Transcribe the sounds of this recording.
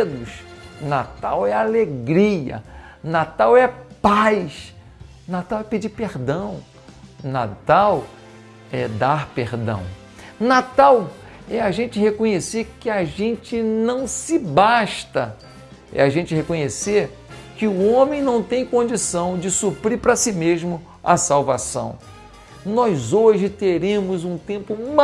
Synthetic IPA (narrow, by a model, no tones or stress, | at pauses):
d̪ʊsnat̪awɛaleɡɾiɐ̰nat̪awɛpajʃ | nat̪awɛped͡ʒipeɾd̪ɐ̃w̃ | na̰t̪aw | ɛd̪aɾpeɾd̪ɐ̰̃w̃ | nat̪aw | ɛaʒẽt͡ʃɪɦekõɲeseɾkɪaʒẽnt͡ʃɪnɐ̃w̃sɪbaʃt̪ɐ | ɛ̰aʒẽnt͡ʃɪɦekõɲeseɾ | kɪʊõmẽj̃nɐ̃w̃t̪ẽj̃kõd͡ʒisɐ̃w̃d͡ʒɪsupɾipɾɐsimeʒmʊ | a̰sawvasɐ̰̃w̃ | nɔjzoʒɪt̪eɾẽmʊzũt̪ẽmpʊm